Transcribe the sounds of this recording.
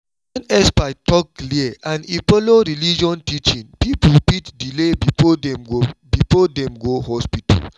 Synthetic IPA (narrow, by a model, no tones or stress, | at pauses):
wɛ̃nɛspaɪtɔkːliɛãnipɔloɾilid͡ʒɔ̃ntit͡ʃĩnpipupitdilebiɔɛmobifɔdɛ̃mɡohɔspitʰa̰l